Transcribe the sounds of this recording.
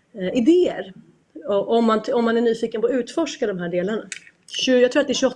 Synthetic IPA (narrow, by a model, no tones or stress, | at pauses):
ɪd̪eːəɾ | ɔʔɔmːant̪ɔmːanæɳyːfiːkənpɔːʉ̟ːt̪fɔʂkad̪ɔmɦæːɖeːlaɳa | ɕʉjɑaɡt̪ɾuːat̪d̪ɛæɾɕɵɔ